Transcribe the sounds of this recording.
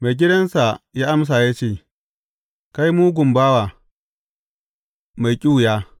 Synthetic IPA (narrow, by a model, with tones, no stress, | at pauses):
ma˨jɡʲɪ˦dɐ˦nsa˨jaː˦ʔa˦ms̬a˨ja˦t͡ʃeː˦˨ | ka˦jmuː˦ɡʷʊ˨mbaː˦wa˨ | ma˨jkʲʼu˦˨jaː˦